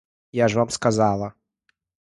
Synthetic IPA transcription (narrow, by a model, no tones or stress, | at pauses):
jaʐvamskazalˠɐ